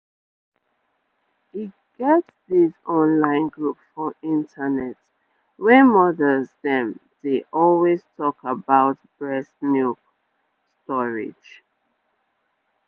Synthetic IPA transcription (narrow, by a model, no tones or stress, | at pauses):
i | ɡ̥ɛtsðizɔ̃nlãɪ̃nɡɹupfɹɔ̃mĩntʰənɛt | wɛmɔdəzðɛ̃md̥eʔɔlweztʰɔkʰəbaʊt̚b̥ɹɛsnjuk | stɔɹɪ̰̥d͡ʒ